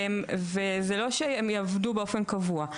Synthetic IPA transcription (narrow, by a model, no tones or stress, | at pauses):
emvezelo̞ʃeemjavdubeo̞fe̞nkavua